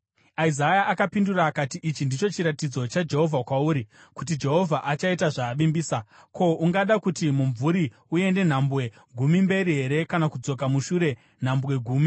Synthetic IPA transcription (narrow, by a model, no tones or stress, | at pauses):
aizajaʔakapinduraːkatiʔit͡ʃindit͡ʃo̞t͡ʃiɾatid͡zo̞t͡ʃad͡ʒe̞ɦo̞vʱakwauːɾikut̬id͡ʒe̞ɦo̞vʱaʔat͡ʃaitaʐaːʋimbiːsa | kʰo̞uŋɡaɗakutimuɱvuɾi | ue̞nde̞n̤ambwe̞ | ɡʱumimbe̞ɾiɦe̞ɾe̞kanakud͡zo̞k̬amuʃuɾe̞ | n̤ambwe̞ɡʱuːmi